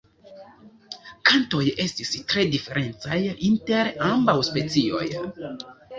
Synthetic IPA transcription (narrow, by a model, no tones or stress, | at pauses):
kanto̞je̞stistɾe̞dife̞ɾʔe̞nt͡sajinte̞ɾambawspe̞t͡sio̞̰j